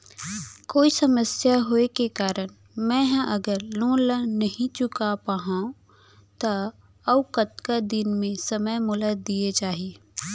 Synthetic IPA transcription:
koːisɐməsjaɦoekekaːɾəñ | mɛ̃ːɦʔɐɡəɾlõːlənɐɦĩt͡ʃʊkapaːɦãũ | t̪a | ɐʊkət̪kad̪ɪnmẽsɐməjmʊləd̪ied͡ʒaːɦie

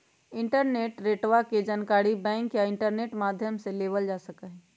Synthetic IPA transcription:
ɪ̃ɳʈəɾneːʈɾeːʈʋaked͡ʒənkaːɽibɛ̃ːŋkjaɪ̃ɳʈəɾneːʈmaːd̪ʱjəmseleːʋəld͡ʒaːsəkəɦɛ̃

